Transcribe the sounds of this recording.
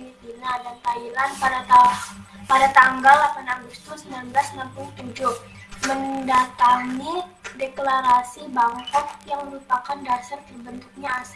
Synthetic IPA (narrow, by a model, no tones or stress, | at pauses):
nit̪inadant̪ailanadat̪a | padat̪aŋɡalapanaɡust̪ʊsəmbilanblasnampulut̪ud͡ʒʊh | məndat̪aŋideklaɾasibaŋkakjaŋməɾupakandasard̪ibənt̪uk̚ɲaːs